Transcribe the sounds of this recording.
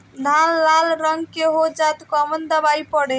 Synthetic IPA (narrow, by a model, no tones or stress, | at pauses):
d̪ʱalːalɾəŋɡkeɦod͡ʒat̪kɔmənd̪əbaipəɽe